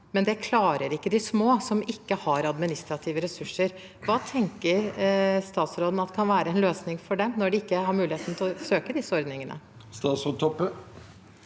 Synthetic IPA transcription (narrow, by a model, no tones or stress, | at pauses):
mɛnd̪ɛkʰlɑːɾəɾɪkːəd̪ɪsmoːsɔmɪkːəhɑɾɑd̪mɪnɪst̪ɾɑt̪ʰiːʋəɾɛsʉʂːəɾ | ʋɑːt̪ʰɛŋkəɾst̪ɑːt̪sɾoːd̪n̩ɑt̪ːkʰɑnʋæːɾəɛnløːsnɪŋfɔɖɛmnɔɖɪɪkːəhɑɾmʉːlɪheːt̪n̩t̪ʰɪlsøːkəd̪ɪsəɔɾd̪nɪŋənʔə̰ | st̪ɑːsɔt̪ʰɔpːə